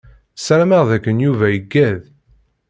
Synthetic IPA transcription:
sæɾməʁðækːənjuvæjəɡːæð

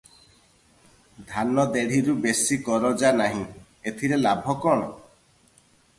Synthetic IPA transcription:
d̪ʱanɔd̪eɽ̤iɾubesikɔɾɔd͡ʒanaɦĩ | et̪ʰiɾelabʱɔkɔɽ̃ɔ

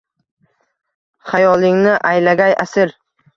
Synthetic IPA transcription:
χajɒlˠɪŋnɪʔajlaɡʲajasɪɾ

